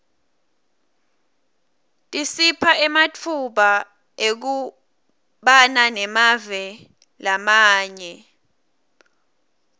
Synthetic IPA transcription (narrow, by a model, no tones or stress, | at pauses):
tʼisipʰaʔɛmatʰuɓa | ek̬u | ɓananɛmavɛ | lamaːɲɛ